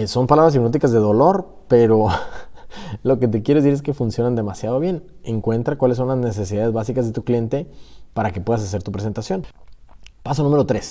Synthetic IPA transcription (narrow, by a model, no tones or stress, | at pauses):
so̞mpalaβɾas̬ipnot̪ikazðe̞ðo̞lo̞ɾ | pe̞ɾo̞ | lo̞ke̞t̪̬e̞kjeɾes̬iɾeske̞funsjo̞nand̪e̞masjað̞o̞βje̞neŋkwe̞nt̪ɾakwalesːo̞nlazne̞s̬e̞s̬iðaðezβasikazðe̞t̪uklije̞nt̪e̞paɾakepwe̞ðas̬as̬e̞ɾt̪upɾe̞s̬e̞nt̪asjo̞n | pas̬onumeɾo̞t̪ɾe̞s